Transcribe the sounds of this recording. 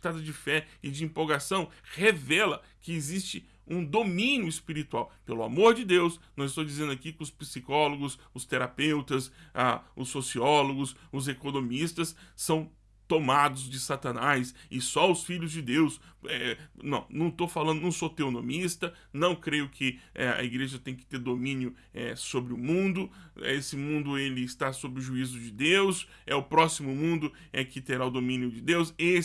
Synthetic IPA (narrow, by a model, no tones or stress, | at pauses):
t̪ad̪ʊd͡ʒɪfɛɪd͡ʒɪĩpowɡasɐ̃w̃hevɛlɐkɪːzist͡ʃɪ | ũd̪omĩnjʊɪspiɾit̪uawpelʊa̰moɾd͡ʒɪd̪ewsnɐ̃w̃ɪst̪od͡ʒizẽnd̪ʊakikɪʊspisikɔloɡʊs | ʊst̪eɾapewt̪ɐsa̰ʊsːosiɔloɡʊsʊzekonõmist̪ɐsːɐ̃w̃ | t̪omad̪ʊzd͡ʒɪsat̪ɐ̃najsɪsɔʊsfiʎʊzd͡ʒɪd̪ewsɛnɐ̰̃w̃nɐ̃w̃t̪ofalɐ̃nd̪ʊñw̃sot̪eonõmist̪ɐ | nɐ̃w̃kɾejʊkʰɪɛɐ̰iɡɾeʒɐt̪ẽj̃kɪ̥t̪eɾd̪omĩnjʊ | ɛ̰sobɾɪʊmũd̪ʊesɪmũnd̪ʊelɪːst̪asobɾɪʊʒuizʊd͡ʒɪd̪ews | ɛʊpɾɔsimʊmũnd̪ʊ | ɛkɪt̪eɾaʊd̪omĩnjʊd͡ʒɪd̪ewse